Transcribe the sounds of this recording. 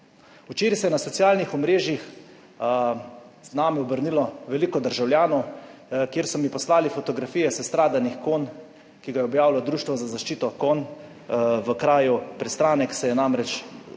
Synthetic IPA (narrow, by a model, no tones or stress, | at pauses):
ut͡ʃeːɾisɛjɛnasɔt̪sijaːlnixɔmɾeːʒjix | znaːmiɔbəɾnilɔʋɛliːkɔd̪əɾʒawljaːnɔwkjeːɾsɔmipɔslaːlifɔt̪ɔɡɾafijɛsɛst̪ɾaːd̪anixkoːn | kiɡajɛɔbjaːwlad̪ɾuːʃt̪ʋɔzazaʃt͡ʃiːt̪ɔkoːn | ʋəkɾaːjupɾɛst̪ɾaːnɛksɛjɛnamɾɛt͡ʃ